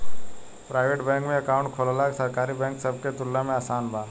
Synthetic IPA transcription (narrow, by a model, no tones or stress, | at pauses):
pɾaːɪʋeːʈbɛ̃ːŋkmẽɐkaːʊ̃ɳʈkʰoːlalaksəɾkaːɾibɛ̃ːŋksəb̚ket̪ʊlːamẽaːsaːnbʱaː